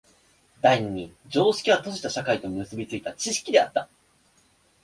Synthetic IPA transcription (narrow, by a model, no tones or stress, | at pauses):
d̪aiɲ̟iɲ̟id͡ʑo̞ːɕi̥kʲiβat̪o̞ʑit̪aɕakait̪o̞miɯ̟sɨbʲit͡sɨit̪at͡ɕiɕi̥kʲid̪e̞a̰t̪ːa